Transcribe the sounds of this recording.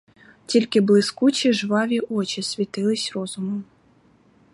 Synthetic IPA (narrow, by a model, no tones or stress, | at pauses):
tʲilʲkɪblˠɪskut͡ʃiʒʋɑʋʲiʔɔt͡ʃisʲʋʲit̪ɪlˠɪsʲrɔzʊmɔm